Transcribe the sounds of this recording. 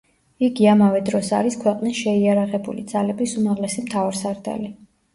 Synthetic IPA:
iɡiamavɛd̪ɾɔsa̰ɾiskʰwɛqʼnisʃɛiaɾaʁɛbṵlḭd̪z̥alɛbisumaʁlɛsimt̪ʰavaɾsaɾd̪a̰li

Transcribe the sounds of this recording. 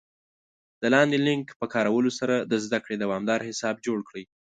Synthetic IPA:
d̪̥əlɑnd̪elɪŋkpəkɑɾawəlosaɾad̪əzd̪akɽed̪awɑmd̪ɑɾhɪsɑb̚d͡ʒoɽkɽəj

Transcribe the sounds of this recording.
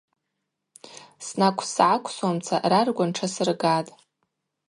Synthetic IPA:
snakʷʰsʕakʷʰswamt͡sʰa̰rarɡʷanʈ͡ʂʰasɨrɡatʼ

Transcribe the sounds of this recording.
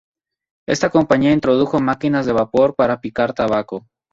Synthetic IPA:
e̞st̪ako̞mpaɲiaint̪ɾo̞ðuxo̞makinazðe̞βapo̞ɾpaɾapikaɾt̪aβako

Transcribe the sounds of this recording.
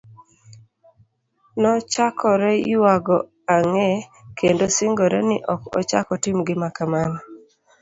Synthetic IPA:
nɔt͡ʃakʰɔɾɛɪwaɡɔ | aŋɛkendosɪŋɡoɾɛnɪʔɔkɔ̰t͡ʃa̰kɔtɪmɡɪmakaman

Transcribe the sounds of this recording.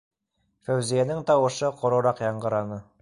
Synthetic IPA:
fæwzijænɘŋt̪ɑwɤ̆ʃɤqŏɾŏɾɑqjɑɴɢɤ̆ɾɑnɤ

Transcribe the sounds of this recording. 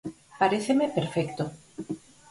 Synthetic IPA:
paɾeθemepeɾfɛkt̪o

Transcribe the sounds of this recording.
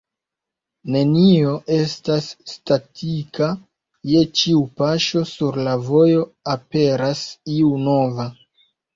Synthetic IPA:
ne̞nio̞ʔe̞stasːtatʰika | je̞t͡ʃiupaʃo̞suɾlavo̞jo̞ape̞ɾasiuno̞va

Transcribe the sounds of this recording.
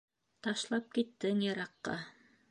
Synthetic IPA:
t̪ɑʃlˠɑp̚kit̪ːɘŋjɑɾɑqːɑ̰

